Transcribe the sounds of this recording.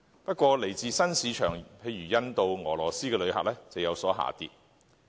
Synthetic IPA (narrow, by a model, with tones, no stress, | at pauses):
pɐ˥t̚kʷɔː˧le˨˩jt͡siː˨˧sɐ˥nsiː˨˧t͡ʃʰœː˨˩ŋpʰe˨˧jɥyː˨˩jɐ˥nt̪o˨˧wŋɔː˨˩lɔː˨˩siː˥kɛː˧lɵ˨˧ɥhɐ̰˨k̚lɛː˥t͡sɐ˨wjɐ˨˧wsɔː˨˥ɦa̰ː˨˩t̪iː˨t̚